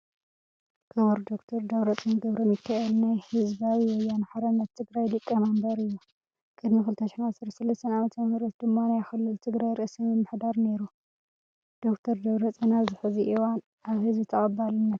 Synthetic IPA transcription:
kʰɨβuɾd̪okt̪ʰɐɾd̪ɐβɾɐt͡sʼɨnɡɐβɾɐmɨkʰːaʔlnajhɨzbawiwɔjːanħaɾɐnːɐt̪ʰːɨɡɾajd̪ɨkʼːɐmambɐɾɨjːu | kʼɨd̪mikɨlt̪ʰɐʃɪ̥ħinasɐɾɐsɐlɐst̪ʰɐnamɐt̪mɐhɾɐt̪̚d̪ɨmːanajxɨlːɨlt̪ʰɨɡɾajɾɨʔsɐmɨmːɨħd̪aɾne̞ɾu | d̪̥o̞kt̪ʰɐɾd̪ɐβɾɐt͡sʼɐnazɨħuziʔiwan | ʔaβhɨzbɨt̪ʰɐχʼɐbalɨnːɐt̪

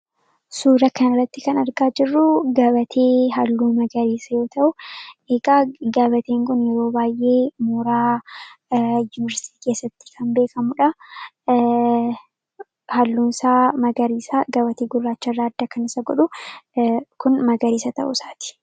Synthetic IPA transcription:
suːɾɐkɐnɪrːɐt̪ːɪkɐnɐɾɡaːd͡ʒɪrːʊɡɐbɐt̪ʰeːɦɐlːuːmɐɡɐɾiːsɐjo̞ːt̪ɐʔʊeɡaːɡɐbɐt̪e̞ːŋkʊnjɛɾo̞ːbaːjʔe̞ːmuːɾaː | jʊnɪɐɾsɪ̥t̪iːke̞ːsːɐt̪ːɪ̥kʰɐmbeːkʰɐmʊᶑɐ | hɐlːuːnsaːmɐɡɐɾiːsaɡɐbɐt̪eːɡʊrːaːt͡ʃːɐɪrːaːd̪ːɐkɐnɪsɐɡɔᶑʊ | kʊnmɐɡɐɾiːsɐt̪ɐ̰ʔʊ̰saːt̪ɪ̥

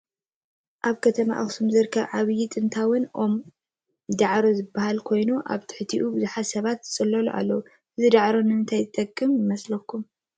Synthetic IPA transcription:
ʔaβkʰɐt̪ʰɐma̰ʔɨ̰xsumzɨɾkʰːɐβʕaβɨjit̪ʼɨnt̪ʰawʊnʔo̞m | d̪aʕɾozɨbːahalkʰo̞jnuʔa̰βt̪ʰɨ̥ħt̪ʰiʔubɨzuħat̪sɐβat̪zɨt͡sʼɨlːɐlṵʔa̰lːɐwu | ʔɨzid̪aʕɾonɨɨnt̪ʰajzɨt̪ʼɐkʼːɨmjɪmɐslɐkʰːum

